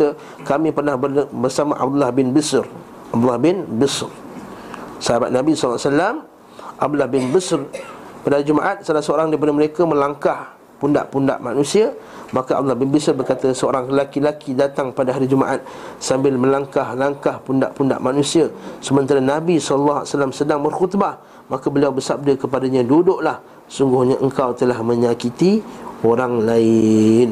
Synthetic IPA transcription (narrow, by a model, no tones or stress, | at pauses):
ə | kamĩpərnahbəbərsamaʔa̰b̚d̪ulahbɪnbəsr | ʔab̚d̪ulahbɪnbəsr | səɦabat̪̚nabisɔllsalam | ʔab̚d̪ulɑhbɪnbəsrpadaɦaɾid͡ʒumaʔat̪̚salasəoɾaŋdaɾip̬adəməɾekamə̃laŋkah | punda̰ʔpunda̰ʔmanũsia | makaʔa̰lːɑhbɪnbisərbərkat̪əsəoɾaŋrəlakilakidat̪aŋpadaɦaɾid͡ʒuma̰ʔat̪̚sambɪlmə̃laŋkahlaŋkahpunda̰ʔpunda̰ʔmanũsiasəmənt̪aɾanabisɔllːaɦasalamsədaŋbərxut̪ba | makabəliawbərsab̚dakəpadaɲãdudʊʔlah | suŋɡʊhɲaʔəŋkawt̪əlahmə̃ɲakit̪ioɾaŋlaɪn